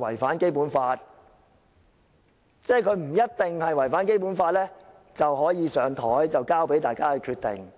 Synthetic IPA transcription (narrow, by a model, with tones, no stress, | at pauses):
wɐ̰˨˩jfaː˨˥nke˥jpuː˨˥nfaː˧t̚ | t͡sɛː˥˩kʰɵ˨˧ɥm̩˨˩jɐ˥t̚t̪ɪ˨ŋhɐ˨jwɐ˨˩jfaː˨˥nk̬e˥jpuː˨˥nfaː˧t̚lɛː˥ | t͡sɐ˨wɦɔː˨˥jiː˨˧sœː˨˧ŋt̪ʰɔː˨˥jt͡sɐ˨wkaː˥wpe˨˥jt̪aː˨jkaː˥kɛ˧kʰyː˧t̪̚ɪ̰˨ŋ